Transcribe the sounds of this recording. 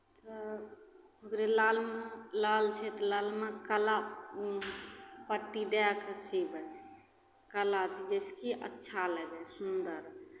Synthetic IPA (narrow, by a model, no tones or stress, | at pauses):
t̪ə | okɾelalmelalt͡ʃʰɛt̪lalmekəla | pəʈːid̪ɛkəsibən | kəlat̪id͡ʒəskiʔə̰tːʃʰaləɡɛsund̪əɾ